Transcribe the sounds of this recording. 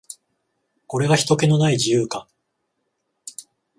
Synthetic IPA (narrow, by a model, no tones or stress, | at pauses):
ko̞ɾe̞ɡaçi̥t̪o̞ke̞no̞naid͡ʑijɯːka